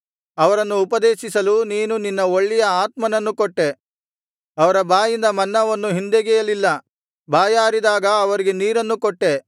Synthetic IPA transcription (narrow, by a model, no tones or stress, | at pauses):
ɐʋɐɾɐnːuːpɐd̪eːʃisɐluniːnuninːɐoɭːijɐaːt̪mɐnɐnːukoʈːe̞ | ɐʋɐɾɐbaːjind̪ɐmɐnːɐʋɐnːuɦind̪eɡɛjɐlilːɐ | baːjaːɾid̪aːɡɐːʋɐɾiɡe̞niːɾɐnːukɔʈːe̞